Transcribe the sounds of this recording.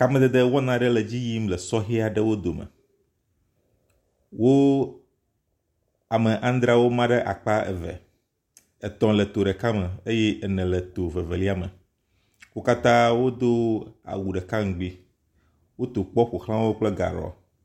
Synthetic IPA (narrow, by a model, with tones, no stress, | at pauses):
ka˨mɛ̃˦d̪e˨d̪e˦wɔ˦nã˨ɖɛ˦lɛ˨d͡ʑi˦ji˦mlɛ˨sɔ˦ɦe˦a˨ɖɛ˦wo˦d̪o˨mə̰˨ | wo˦ | a˨mẽ˨ʔã˦n˦d̪ɾa˦wo˦mã˦ɖɛ˦ʔa̰˨k͡pa˦ɛ̰˨vɛ̰˨ | ɛ˨t̪ɔ̃˨lɛ˨t̪o˨ɖɛ˨ka˦mə̃˨e˦je˦ʔɛ˨nɛ̃˨lɛ˨t̪o˨vɛ˨ve˨li˦a˦mə˨ | wo˦ka˦t̪ã˦wo˦d̪o˦a̰˨wu˨ɖɛ˨kã˦ŋ̩˨ɡ͡bi˦ | wo˦t̪o˨k͡pɔ˦ɸo˨xlã˦wo˦k͡plɛ˦ɡa̰˨ɾɔ̰˨